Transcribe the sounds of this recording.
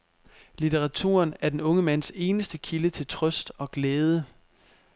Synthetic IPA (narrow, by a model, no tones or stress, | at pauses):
lit͡sʰeʁɑ̈t͡sʰṵːɐnæɐd̥enɔ̽ŋəmæn̰se̝ːnəsd̥əkʰilət͡sʰe̝lt͡sʰʁœsd̥ɒ̽ɡ̥leːð̞ˠə